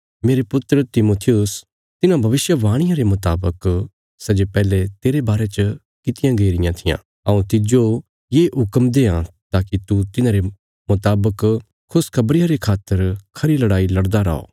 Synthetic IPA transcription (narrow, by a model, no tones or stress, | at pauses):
meːɾepʊt̪ɾət̪ɪmoːt̪ʰɪjʊs | t̪ɪnãbʱɐʋɪsjəʋaːɽ̃ɪjãɾemʊt̪aːbək | sɐd͡ʒepɛːlet̪eːɾebaːɾet͡ʃə | kɪt̪ɪjãɡeːɾɪjãt̪ʰɪjã̰ː | ɐũt̪ɪd͡ʒo | jeːɦʊkəmd̪eːãt̪aːkit̪ut̪ɪnãɾe | mʊt̪aːbək | kʰːʊskʰɐbɾɪjãɾekʰaːt̪ːəɾkʰɐɾilɐɽaːilɐɽd̪aɾa̰ːo̰ː